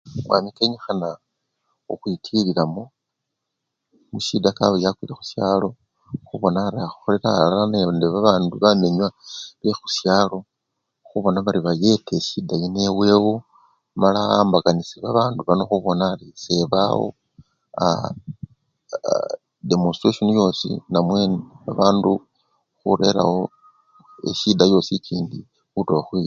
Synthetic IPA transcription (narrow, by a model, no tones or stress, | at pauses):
mwa̰mikeɲexana | o̰xwitʰililamo | muʃidakaβojakwilexu̥sjalo̞ | xuβo̞naːɾiaxu̥xole̞ɾalalanendeβaβaːnduβame̞ɲwaβexusjaːlo̞ | xuβo̞naβaɾiβaje̞teʃidajine̞we̞ːwo | malaaːmbakanisiβaβaːnduβano̞xuβo̞naːɾiseβa̰wo̰ | a̰ | demonstɾesonijo̞ːsḭnamwe̞nβa̰βaːndu | xuɾe̞ɾa̰ho̞ | ḛʃidajo̞ːsit͡ʃiːndi | xutoβaxwi